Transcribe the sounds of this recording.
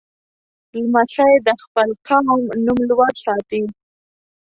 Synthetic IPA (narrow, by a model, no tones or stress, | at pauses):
lmaɬajed̪əxpəlkʰɑmnumlwaɾsɑt̪i